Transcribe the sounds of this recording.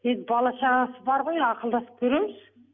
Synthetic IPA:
e̞nd̪ɪbɑlˠɑʃɑʁɑsəbɑɾʁo̞jɑqəlˠd̪ɑsə̥p̚kʲʰɵɾe̞mɪz̥

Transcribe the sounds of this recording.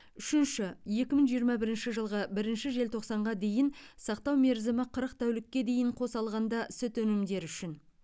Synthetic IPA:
ʏʃɪnʃɪje̞kʲɪməɴʒijəɾmɑbɪɾɪnʃɪʒəlˠʁəbɪɾɪnʃɪʒe̞lt̪ʰo̞qsɑɴʁɑd̪e̞jɪnsɑq̚t̪ɑwme̞ɾzɪmɪqʰəɾəq̚t̪ʰæwlɪkʲːe̞d̪e̞jɪɴqʰo̞sɑlˠʁɑnd̪ɑsɪt̪ɵnɪmd̪e̞ɾʏʃɪn

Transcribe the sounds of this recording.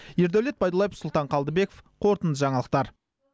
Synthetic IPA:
je̞ɾd̪æwle̞t̪̚bɑjd̪əlˠɑjefsʊlˠt̪ɑɴqʰɑlˠd̪əbe̞kofqʰo̞ɾt̪ənd̪əʒɑɴɑlˠəq̚t̪ɑɾ

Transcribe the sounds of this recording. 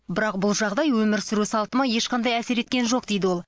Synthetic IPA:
bɪɾɑqbʊlˠʒɑʁd̪ɑjwɵmɪɾsʏɾusɑlˠt̪əmɑje̞ʃqʰɑnd̪ɑjæse̞ɾe̞t̪̚kʲe̞nʒo̞q̚d̪e̞jd̪ɪwo̞lˠ

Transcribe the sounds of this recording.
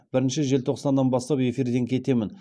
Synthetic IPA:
b̥ɪɾɪnʃɪʒe̞lt̪ʰo̞qsɑnːɑnbɑst̪ɑpe̞fiɾd̪e̞ŋkʲʰe̞t̪e̞mɪn

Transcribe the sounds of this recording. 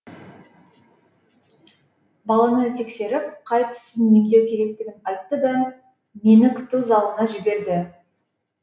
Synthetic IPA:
bɑlˠɑnət̪ʰe̞kse̞ɾɪp̚qʰɑjt̪ə̥səne̞md̪ewkʲʰe̞ɾe̞k̚t̪ɪɡʲɪnɑjt̪ːəd̪ɑ | me̞nɪkʲʰʏ̥t̪uzɑlˠənɑʒɪbe̞ɾd̪ɪ

